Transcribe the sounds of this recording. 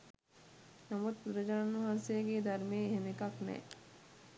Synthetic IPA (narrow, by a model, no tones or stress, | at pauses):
namut̪̚ɾɐd͡ʒaanʋɐɦaːnseɡeːd̪ʱɐɾmeːɦemekɐknɛ̰